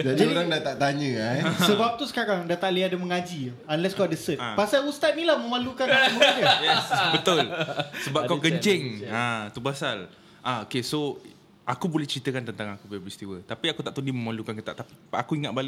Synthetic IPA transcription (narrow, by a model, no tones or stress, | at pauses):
d͡ʒadd͡ʒaoɾaŋdat̪aʔt̪aɲə̃asəbap̚t̪usə̥kaɾaŋdat̪aʔliadaməŋad͡ʒi | anlɛskawadasət̪̚pasalust̪at̪̚nilahmə̃malukanəməakəbət̪ʊlsəbap̚kawkəɲt͡ʃɪŋat̪ubasal | ʔaokeso | akubolɛht͡ʃəɾit̪əkant̪ənt̪aŋakupiapist̪iwət̪apiakut̪aʔt̪undiməmalukankət̪a̰ʔt̪api̥a̰kuiŋat̪̚balɪʔ